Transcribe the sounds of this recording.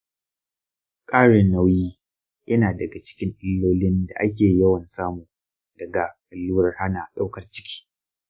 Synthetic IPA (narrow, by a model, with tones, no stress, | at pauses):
kʼaː˦ɽe˨na˦wjiː˦ | jɐ˦naː˨dɐ˨ɡa˨t͡ʃɪ̥˦kʲɪ˦ŋʔɪ˦lːoː˦lɪ˦nda̰˨ʔa˦k̬ʲeː˨jɐ˦wɐ˨nsaː˦muː˨ | d̥ɐ˨ɡa˨kʼɐ˨lːuː˦ɾɐ˨rha˦na˨ʔɗa˦wkɐ˨rt͡ʃɪ̥˦kʲʰi̥ː˦